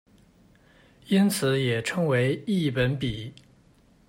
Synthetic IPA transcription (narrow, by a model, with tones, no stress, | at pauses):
i˥nt͡sʰɹ̩˨˩˦jɛ˨˩ʈ͡ʂʰɤ˥ŋwe˧˥ɪi˥˩pə˧˥npi˨˩˦